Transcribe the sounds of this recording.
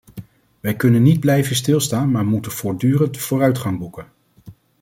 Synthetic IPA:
ʋɛjkɵnənːid̚blɛjvənstɪlˠstaːnmaːɹmutənv̥ʊːɹdyːrəntv̥ʊːrœɥtχɑŋbukən

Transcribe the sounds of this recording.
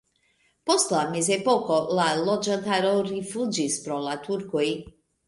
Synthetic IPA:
po̞st̪lamezepoko̞lalod͡ʒant̪aɾoɾifud͡ʒispɾolat̪uɾkoj

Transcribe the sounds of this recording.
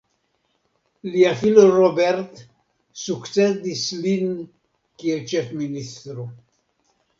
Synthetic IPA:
liafilorobɛrt̪ | sukt͡sed̪islin | kielt͡ʃefminist̪ɾu

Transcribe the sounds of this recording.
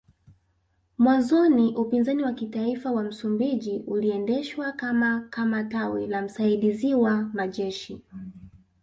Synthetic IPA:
mwanzɔniʔupinzaniwakitaifawam̩sumbiʄiʔuliɛndɛʃwakamakamatawɛlam̩saiɗiziwamaʄɛʃi

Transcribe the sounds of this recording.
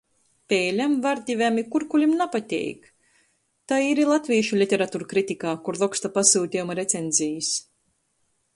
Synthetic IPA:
pʲɛːlʲamvaɾd̪ʲivʲæmikuɾkulʲimnapat̪ʲɛ̰jk | t̪aiɾilˠat̪ʲvʲiːʃulʲit̪ʲɛɾat̪uːɾkɾit̪ʲikaːkuɾlˠɔkst̪apasuːt̪ʲijumaɾet̪sʲenzʲijɨs

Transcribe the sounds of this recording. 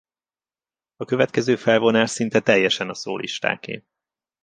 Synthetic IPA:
ɒkø̞vɛt̪kɛzøːfɛlvo̞naːʃsint̪ɛt̪ɛjːɛʃɛnɒso̰ːlʔḭʃt̪a̰ːkḛːm

